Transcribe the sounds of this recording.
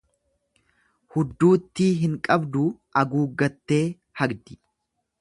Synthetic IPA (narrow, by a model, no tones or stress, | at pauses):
hʊd̪ːuːt̪ːiːɦɪŋkʼɐbd̪ʊʔɐɡuːɡːɐt̪ːe̞ː | hɐɡd̪ɪ